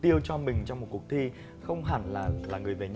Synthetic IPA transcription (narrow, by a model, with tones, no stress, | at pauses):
t̪i˧əwt͡ɕɔ˧mï˨˩ŋ̟t͡ɕɔ˧wŋ͡mmo˨˩t̚kʊ˨˩ək̚t̪ʰi˧ | xə˧wŋ͡mɦa̰ː˧˩nlaː˨˩laː˨˩ŋɨ˨˩əjve˨˩ɲ